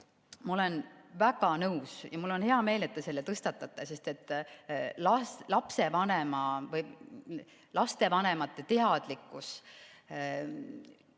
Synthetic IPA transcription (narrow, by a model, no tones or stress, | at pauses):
mɑo̞le̞nvæɡ̥ɑnɤwsjɑmulːo̞nhe̞ɑme̞ːle̞t̪ːese̞lːet̪ɤst̪ɑt̪ːˑɑt̪ːˑese̞st̪et̪ːˑlɑslɑpse̞vɑnemɑvɤj | lɑst̪e̞vɑne̞mɑt̪ːˑe̞t̪e̞ɑd̪̥likːˑus